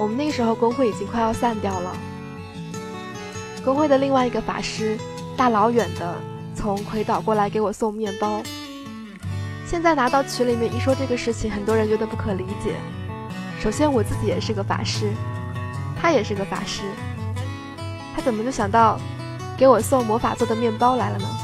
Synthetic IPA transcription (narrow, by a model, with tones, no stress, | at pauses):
wɔ˨˩mə˦ne˥˩ɡə˩ʂɻ̩˧˥xo˥˧ʊkʊ˥ŋxwe˥˩ɪi˨˩t͡ɕi˥ŋkʰwa˥˧ɪjɑ˥˧ʊsa˥˧nt̪jɑ˥˩ʊlə̰˩ | kʊ˥ŋxwe˥˩ɪd̪ə˩li˥˧ŋwa˥˩ɪi˧˥ɡə˧fa̰˨˩ʂɻ̩˥ | t̪a˥˩lɑ˧˥ʊɥɛ˨˩nd̪ə˦ | t͡sʰʊ˧˥ŋkʰwe˧˥ɪt̪ɑ˨˩ʊkwɔ˥˩la˧˥ɪk̬e˧˥ɪwɔ˨˩sʊ˥˧ŋmjɛ˥˩npɑ˥ʊ | ɕjɛ˥˧nt͡sa˥˩ɪna˧˥t̪ɑ˥˩ʊt͡ɕʰy˧˥li˨˩mjɛ˥˧ni˥ʂwɔ˥ʈ͡ʂɤ˥˩ɡə˩ʂɻ̩˥˩t͡ɕʰi˨˩ŋxə˨˩nt̪wɔ˥ɻə˧˥nt͡ɕɥɛ˧˥d̪ə˧pu˥˩kʰɤ˨˩li˧˥t͡ɕjɛ̰˨˩˦ | ʂo˨˩ʊɕjɛ˥nwɔ˨˩t͡sɹ̩˥˩t͡ɕi˧˥jɛ˨˩ʂɻ̩˥˩˧ɡə˧fa̰˨˩ʂɻ̩˥ | t̪ʰa˥jɛ˨˩ʂɻ̩˥˩˧ɡə˧fa̰˨˩ʂɻ̩˥ | t̪ʰa˥t͡sə˨˩nmə˦t͡ɕjo˥˩ʊɕjɑ˨˩ŋt̪ɑ˥˩ʊ | ke˧˥ɪwɔ˨˩sʊ˥˩ŋmwɔ˧˥fa̰˨˩t͡swɔ˥˩d̪ə˩mjɛ˥˩npɑ˥ʊla˧˥ɪlə˧nə˧